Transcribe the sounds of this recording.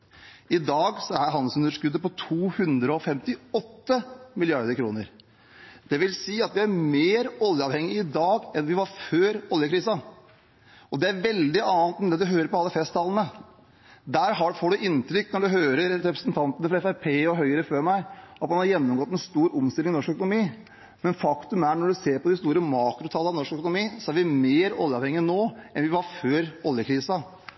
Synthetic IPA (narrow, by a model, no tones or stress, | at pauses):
ɪd̪ɑːɡsɔæɾɦɑnsʉnəʂkʉd̪ːəpɔt̪ʰuːhʉnd̪ɾəɔfɛmt̪ɪɔt̪ːəmɪlɪɑɾd̪əɾkʰɾṵːnəɾ | d̪̥ɛʋɪlsiːɑt̪ʋɪæɾmeːɾɔljəɑʋhɛŋːɪɪd̪ɑːɡɛnʋɪʋɑɾføːɾɔljəkʰɾɪsɑn | ɔd̪ɛæɾʋɛld̪ɪɑːnt̪ɛnd̪ɛd̪ʉɦøːɾəɾpɔɑlːəfɛst̪ʰːɑːlənə | d̪æːɾɦɑfoːɖʉʔɪnːt̪ɾʏkːnɔɖʉɦøːɾəɾɾɛpɾəsnt̪ʰɑnt̪ənəfɾɑɛfæɾpʰeːɔɦœʏəɾəføːɾmæɪɑt̪mɑnhɑɾjɛnːɔmɡɔt̪ːɛnst̪uːɾʊmst̪ɪlɪŋɪnɔʂkœkʊnʊmiː | mɛnfɑkt̪ʉmæɾɳɔɖʉseːɾpɔd̪ɪst̪uːɾəmɑːkɾʊt̪ʰɑlɑʋnɔʂkœkʊnʊmiːsɔæɾʋɪmeːɾɔ̰ljəɑʋhɛŋːɪnoːɛnʋɪʋɑɾføːɾɔljəkʰɾiːsɑ